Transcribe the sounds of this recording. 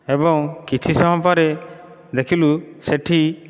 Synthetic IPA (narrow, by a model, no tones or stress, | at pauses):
ebɔŋkit͡ʃʰisɔɦɔ̃paɾe | d̪ekʰiluseʈʰi